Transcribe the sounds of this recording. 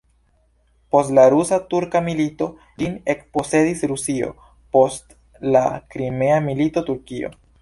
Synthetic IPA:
po̞stlaɾusatuɾkamilito̞ | line̞kpo̞se̞disɾusio̞̰ | po̞st | lakɾime̞amilito̞tuɾkio̞̰

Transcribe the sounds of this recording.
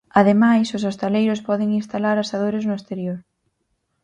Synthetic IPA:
aðemajsʊsost̪alejɾʊspɔðɪŋinst̪alaɾasaðoɾɪznʊest̪eɾjoɾ

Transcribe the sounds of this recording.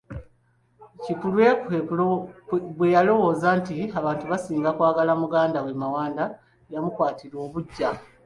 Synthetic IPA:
cikulwe̞ke | βwejalo̞wo̞ːzaːntiaβaːntuβasiːŋɡakwaːɡalamuɡaːndawemawaːnda | jamukwaːtiɾo̞ːβuɟːa

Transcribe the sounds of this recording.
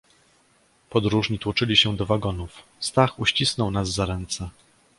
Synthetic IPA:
pɔd̪ɾuʐɲit̪wɔt͡ʂɘlʲiɕɛd̪ɔvaɡɔnufst̪axuɕt͡ɕisnɔwnazːaɾɛnt̪sɛ

